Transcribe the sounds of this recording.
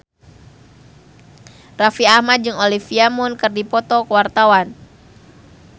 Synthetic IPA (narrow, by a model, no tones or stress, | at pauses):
rafiahmad̪̚d͡ʒɨŋolifiamunkɨrdipɔt̪ɔkəwart̪awan